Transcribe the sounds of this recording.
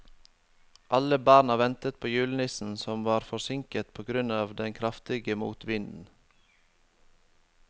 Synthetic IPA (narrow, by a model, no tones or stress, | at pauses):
ʔɑləbɑːnɑʋɛnt̪ət̪̚pʰoːjʉːlnɪsn̩sɔmʋɑːɾfɔsɪŋkət̪pʰoːɡɾʉnɑːʋd̪ɛnkʰɾɑft̪ɪɡəmṵːt̪ʋɪnd̪n̩